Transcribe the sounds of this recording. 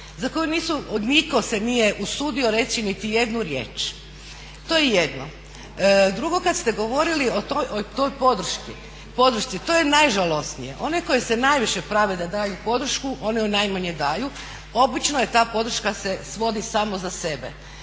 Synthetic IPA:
zako̞juniːsuod̪niko̞senije̞ʔusud̪io̞ɾe̞t̪sinit̪ije̞d̪nuɾjḛːt͡ʃ | t̪o̞jejed̪no | d̪ɾuɡo̞kad̪st̪e̞ɡo̞ʋo̞ɾiliotoot̪o̞jpo̞d̪r̩ʃki | po̞d̪ɾ̩ʃt̪sit̪o̞jenajʒalo̞snijḛʔo̞neko̞jesenajʋiʃe̞pɾaːʋed̪ad̪aːjupo̞d̪ɾ̩ʃkuʔo̞niunajmaɲed̪aːju | o̞bit͡ʃnojet̪aːpo̞d̪ɾ̩r̩ʃkasesʋo̞d̪isaːmozase̞bḛ

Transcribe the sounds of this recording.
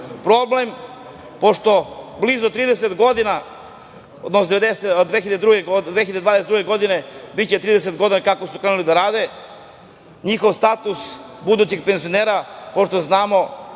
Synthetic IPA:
pɾoblem | po̞ʃt̪o̞blizut̪ɾiːd̪eset̪ɡo̞d̪ina | od̪nosod̪eed̪ed̪ʋeçiʎead̪ed̪ɾuɡeɡd̪ʋeçiʎead̪ed̪vaːd̪esed̪ɾuɡeɡo̞d̪ine̞bit͡ɕet̪ɾiːd̪eset̪ɡo̞d̪inakakosukɾenulid̪aɾaːd̪e̞ | ɲixo̞ʋst̪at̪usbud̪ut͡ɕiɡpenzioneːɾapo̞ʃt̪oznaːmo̞

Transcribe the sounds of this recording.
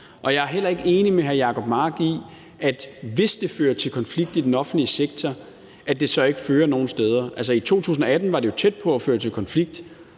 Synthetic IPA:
ʔɒ̽jɑ̈æɐɦel̰ɐe̝ɡ̥əe̝ːnimeɦæɐjɑ̈kʰɒ̽b̥mɑ̈ːɡ̥i | ʔæd̥ʋe̝sd̥e̝føːɐt͡sʰe̝lkʰɒ̽nfliɡ̥̚d̥id̥enɒ̽fn̩d̥liəseɡ̥̚t͡sʰɒ | æd̥e̝sɒ̽e̝ɡ̥əføːɐno̝ːn̩sd̥eːð̞ˠɐʔæls̬ɐit͡sʰo̝̰ːt͡sʰṵːs̬n̩ɒ̽æd̥n̩ʋɑ̈dɾe̝jo̝t͡sʰed̥̚pʰɒ̽æføːɐt͡sʰe̝lkʰɒ̽nfliɡ̥̚d̥

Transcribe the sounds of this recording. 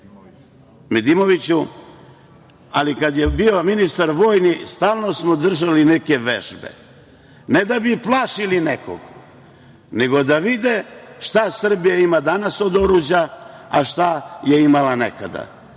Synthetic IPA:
med̪imo̞ʋit͡ɕu | alikad̪jebio̞minist̪aɾʋo̞ːjnist̪aːlˠno̞smod̪r̩ʒalineke̞ʋḛʒbḛ | ned̪abiplˠaːʃilineko̰ɡ | ne̞ɡo̞d̪aʋid̪eʃt̪asr̩bijaimad̪anaso̞d̪o̞ɾud͡ʑaaʃt̪aje̞imalanḛka̰d̪a̰

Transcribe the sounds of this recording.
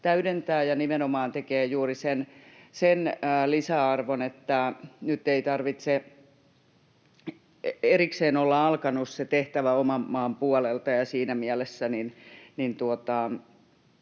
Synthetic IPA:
t̪æyɾent̪æːjɑnimenomɑːnt̪ekeːjuːrisensenːlisæɑrʋonet̪ːænyt̪ːeit̪ɑrʋit̪se | erikseːnolːɑɑlkɑnusset̪eht̪æʋæomɑmːɑːmpuɔlelt̪ɑjɑsiːnæmiælesːæninnint̪uot̪ɑ

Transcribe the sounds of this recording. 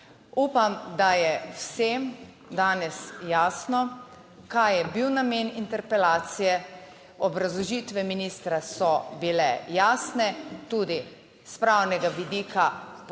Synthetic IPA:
uːpamd̪ajɛwsem | d̪aːnɛsjaːsnɔ | kajjɛbiwnameːnint̪ɛɾpɛlaːt̪sijɛ | ɔbɾazlɔʒiːt̪ʋɛminiːst̪ɾasɔbilɛ̰jaːsnɛt̪uːd̪i | spɾaːwnɛɡaʋid̪iːkʰap

